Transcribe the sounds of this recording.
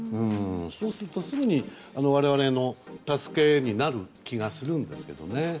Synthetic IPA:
ɯ̟̃ɴɴsoːsɨɾɯt̪osɨɡɯ̟ɲ̟i | ano̞β̞aɾe̞βaɾe̞no̞t̪asɨ̥ke̞ɲ̟inaɾɯ̟kʲiɡasɨɾɯ̟̃nd̪e̞sɨ̥ke̞d̪o̞̰ne̞

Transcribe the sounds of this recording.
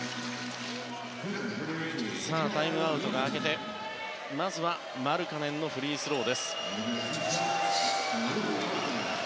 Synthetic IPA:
saːt̪aimɯ̟aɯ̟t̪o̞ɡaːke̞t̪e̞ | mazɨβa | maɾɯ̟kanẽ̞nːo̞ɸɯ̟ɾʲiːsɨɾo̞ːd̪e̞sɨ̥

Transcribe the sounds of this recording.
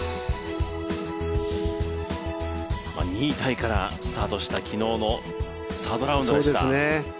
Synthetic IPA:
ma̰ɲ̟iːt̪aikaɾa̰sɨ̥t̪aːt̪o̞ɕi̥t̪akʲino̞ːno̞ | saːd̪o̞ɾaɯ̃nsd̪oːiet̪a̰ne

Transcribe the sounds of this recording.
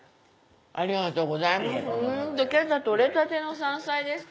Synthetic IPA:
aɾiɡat̪oːɡozaimasd̪okʲiat̪at̪oɾet̪at̪enosãɰ̃said̪es

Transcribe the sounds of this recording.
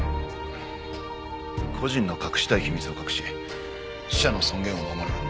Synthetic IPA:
kʰo̞ʑĩnːo̞kakɯ̟̥ɕi̥t̪aiçimʲit͡sɨo̞kakɯ̟̥ɕie | ɕi̥ɕano̞sõ̞ŋɡẽ̞ɰ̃omamoɾɯ

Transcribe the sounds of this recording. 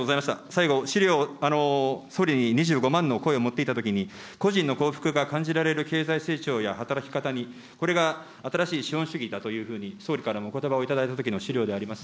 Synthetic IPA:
ozaimaɕit̪a̰saiɡo̞ɕiɾʲo̞ːano̞so̞ːɾʲiɲ̟iɲ̟iʑɨːɡo̞mãnːo̞ko̞e̞o̞mo̞t̪ːe̞it̪at̪o̞kʲiɲ̟i | ko̞ʑĩnːo̞ko̞ːɸɯ̟̥kɯ̟ɡakãɲ̟d͡ʑiɾaɾe̞ɾɯ̟ke̞ːzaise̞ːt͡ɕo̞ːjahat̪aɾakʲi̥kat̪aɲ̟i | ko̞ɾe̞ɡa | at̪aɾaɕiːɕiõɰ̃ɕɨɡʲid̪at̪o̞jɯ̟ːɸɯ̟ːɲ̟iso̞ːɾʲikaɾamoːko̞t̪obao̞it̪ad̪ait̪at̪o̞kʲino̞ɕiɾʲo̞ːd̪e̞aɾʲimasɨ̥

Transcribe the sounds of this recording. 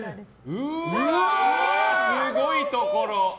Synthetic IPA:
ɯɯ | sɨɡoit̪okoɾo

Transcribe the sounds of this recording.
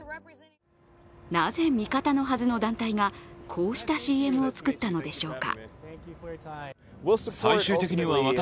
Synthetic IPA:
naze̞mʲikat̪ano̞ɦazɨno̞d̪ãnt̪aiŋakʰo̞ːɕi̥t̪aɕiːe̞mɯ̟o̞t͡sɨ̥kɯ̟t̪ːano̞d̪e̞ɕo̞ːka̰ | saiɕɨːt̪e̞kʲiɲ̟iβaβat̪

